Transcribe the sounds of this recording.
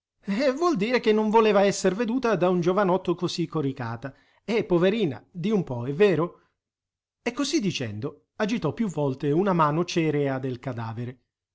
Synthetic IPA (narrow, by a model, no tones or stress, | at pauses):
vwɔld̪iːɾek̟enːoɱvoleːvaɛsːerved̪uːt̪ad̪aund͡ʒovanɔt̪ːokosikːoɾikaːt̪a | epːoveɾiːna̰d̪iumpɔɛvːɛːɾo | ekːozid̪ːit͡ʃɛ̰nd̪o | ad͡ʒit̪ɔpːjuvːɔlt̪eunamaːnot͡ʃɛːɾead̪elkad̪aːveɾe